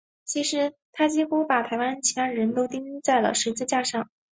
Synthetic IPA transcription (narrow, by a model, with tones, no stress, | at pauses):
t͡ɕʰi˧˥ʂɻ̩˧˥t̪ʰa˥t͡ɕi˧˥xu˥pa˨˩t̪ʰa˧˥ɪwa˥nt͡ɕʰɛ˧˥nɻə˧˥nt̪o˥ʊt̪i˥ŋ˥t͡sa˥˩ɪlə̰˩ʂɻ̩˧˥t͡s̩˥˧t͡ɕja˥˧ʂɑ˥˩ŋ